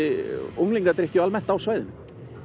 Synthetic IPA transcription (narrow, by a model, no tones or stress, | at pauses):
ɪuwŋliŋkat̪ɾehcʏalmɛn̥t̪awsvajðɪn